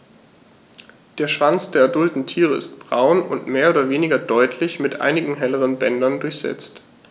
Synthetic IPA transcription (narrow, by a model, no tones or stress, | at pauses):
d̥eːɐʃv̥ant͡sd̥eːɐɛɐdʊltn̩tʰiːʁəɪ̰st̚b̥ʁaʊnʊ̰ntmeːɐoːdɐveːnɪɡɐdɔʏtʰlɪçmɪtʔa̰ɪnɪɡŋ̩ɦɛləʁ̞ənbɛndɐndʊɐçz̥ɛ̰t͡st